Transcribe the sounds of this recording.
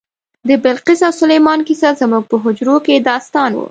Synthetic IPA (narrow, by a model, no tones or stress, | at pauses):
d̪əbɪlqisawsʊlejmɑnkisazmuɡ̚pəɦʊd͡ʒɾoked̪ɑst̪ɑnwṵ